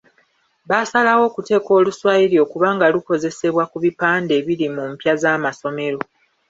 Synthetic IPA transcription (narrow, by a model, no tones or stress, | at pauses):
βasalawo̞ːkute̞ːko̞ːluswaːjiɾjo̞ːkuβaːŋɡaluko̞ze̞se̞βwakuβipaːnde̞ːβilimuːmpjazaːmaso̞me̞ɾo̞